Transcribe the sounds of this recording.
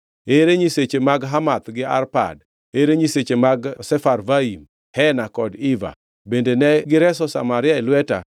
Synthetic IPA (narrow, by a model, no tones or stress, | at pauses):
eɾeɲiset͡ʃemaɡɦamat̪ɡɪa̰rpa̰d | eɾeɲiset͡ʃemaɡsɛfarvaim | hɛnakɔdiva̰ | bendenɛɡɪɾɛsɔsa̰maɾɪaɛlwɛta̰